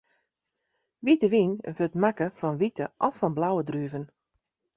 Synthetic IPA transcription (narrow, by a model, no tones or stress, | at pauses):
ʋitəʋinvøtmakəfɔnʋitəʔɔfɔnblawədryəvən